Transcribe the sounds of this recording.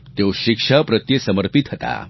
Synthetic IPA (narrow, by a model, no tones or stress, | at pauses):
t̪joɕikʂapɾət̪jəsəməɾpit̪ɦət̪a̰